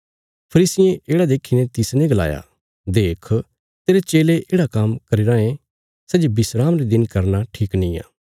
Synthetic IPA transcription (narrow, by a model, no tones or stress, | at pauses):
pʰɐɾiːsɪjẽʔeːɽad̪eːkʰinet̪ɪsnẽɡɐla̰ːja̰ | d̪eːkʰ | t̪eːɾet͡ʃeːleʔeːɽakɐmkɐɾiɾãːẽ | sɛːd͡ʒebɪsɾaːmɾed̪ɪnkɐɾnaʈʰiːknĩjã̰ː